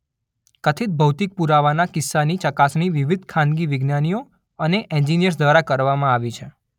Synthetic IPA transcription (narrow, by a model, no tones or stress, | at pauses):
kət̪ʰit̪̚bʱəwt̪ik̚puɾaʋanakɪsːanit͡ʃəkasniʋiʋid̪̚ʱkʰãnɡiʋɪɡnanijo | əneʔɛ̃nd͡ʒinijəɾs̬d̪ʋaɾakəɾʋamãaʋit͡ʃʰe